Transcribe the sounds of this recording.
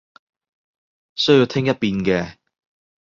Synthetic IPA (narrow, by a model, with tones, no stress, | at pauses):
sɵ˥ji˧wt̪ʰɪ˥ŋjɐ˥t̚piː˨˧nkɛː˧